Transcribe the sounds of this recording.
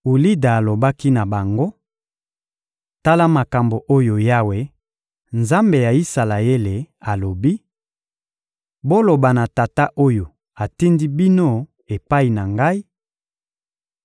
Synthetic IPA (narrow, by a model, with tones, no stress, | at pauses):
u˨li˦da˨a˨lo˨ba˦ki˦na˨ba˨ŋɡo˦ | ta˦la˦ma˨ka˨mbo˨ʔo˦jo˨ja˦we˨ | nza˦mbe˨ja˨i˦sa˨la˨e˦le˨a˨lo˨bi˦ | bo˦lo˨ba˨na˨ta˨ta˦ʔo˦jo˨ | a˨ti˦ndi˦bi˦no˦ | e˨pa˦i˨na˨ŋɡa˦i˦